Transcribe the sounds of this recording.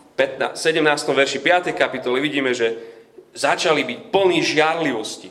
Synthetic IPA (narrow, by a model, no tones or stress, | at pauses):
pɛt̪na̰sɛɟɛmnaːst̪ɔmʋɛɾʃipɪat̪ɛjkapit̪ɔliʋiɟiːmɛʒɛzat͡ʃalibicpl̩niːʒɪaɾliʋɔsci